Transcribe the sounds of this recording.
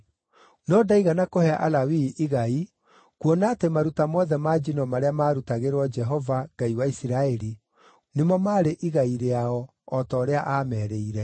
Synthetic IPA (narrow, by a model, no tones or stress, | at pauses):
nɔdaiɣanakohɛaʔalawiʔiɣai | kwonaːtemaɾutamɔðɛmad͡ʒinɔmaɾeamaːɾutaɣeɾwɔd͡ʒɛɦɔvaŋɡaiwaisiɾaɛɾi | nemɔmaːɾeʔiɣaiɾeaɔː | tɔːɾeaʔaːmɛːɾeiɾɛ